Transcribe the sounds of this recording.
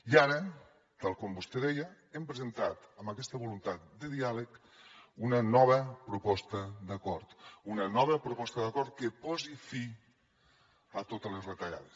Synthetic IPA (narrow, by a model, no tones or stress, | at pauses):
iaɾə | t̪alˠkombust̪eðɛjə | empɾəzent̪at̪əmbəkɛst̪əβulunt̪at̪̚d̪əðialək | unənɔβ̞əpɾupɔst̪əd̪əkɔɾt̪unənɔβəpɾupɔst̪əðəɐkɔɾt̪̚kəpɔzifi | ət̪ot̪ələzrət̪ɐʎa̰ðəs